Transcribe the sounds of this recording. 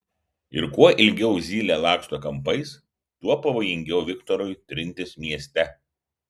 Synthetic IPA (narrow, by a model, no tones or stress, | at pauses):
ɪ̰ɾkuɔʔɪlʲɡʲɛʊzʲiːlʲeːlˠɑːkʃt̪oːkɐmpɐɪs | t̪uɔpɐʋoːjɪŋʲɡʲɛʊʋʲɪkt̪ɔɾʊjt̪ʲɾʲɪnʲt̪ʲɪsmʲiɛsʲt̪ʲɛ